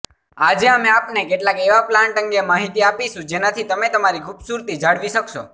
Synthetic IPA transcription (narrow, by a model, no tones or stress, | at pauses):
ad͡ʒeameapnekeʈlakeʋaplãɳʈə̃ŋɡemaɦit̪iapiʃũd͡ʒenat̪ʰit̪əmet̪əmaɾikʰubsuɾt̪id͡ʒaɽʋiʃəkʃo̰